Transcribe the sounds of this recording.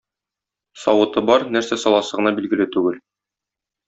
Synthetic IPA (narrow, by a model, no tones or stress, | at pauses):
sɒwɤ̆t̪ɤbɒɾnæɾsæsɒlˠɑsɤ̆ʁɤ̆nɑbilɡɘ̆lɘt̪ʉɡɘl